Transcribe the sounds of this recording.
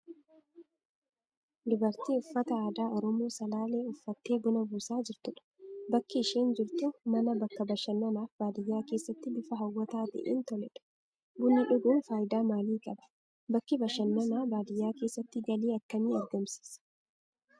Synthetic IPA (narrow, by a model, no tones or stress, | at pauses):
lɪbɐɾt̪iːʊfːɐt̪ɐaːd̪aːʔɔɾɔmoːsɐlaːle̞ːʊfːɐt̪ːe̞ːbʊnɐbuːsaːd͡ʒɪɾt̪ʊᶑɐ̥bɐkːɪɪʃeːnd͡ʒɪɾt̪ʊmɐnɐbɐkːɐbɐʃɐnːɐnaːfbaːd̪ɪjːaːke̞ːsːɐt̪ːɪbɪfɐɦɐwːɐt̪aːt̪ɛ̰ʔḛːnt̪ɔlɛ̰ᶑɐ̥ | bʊnːɪᶑʊɡuːnfaːjɪd̪aːmaːliːkʼɐbɐ̥ | bɐkːɪbɐʃɐnːɐnaːbaːd̪ɪjːaːke̞ːsːɐt̪ːɪɡɐliːɐkːɐmiːɛɾɡɐmsɪ̥s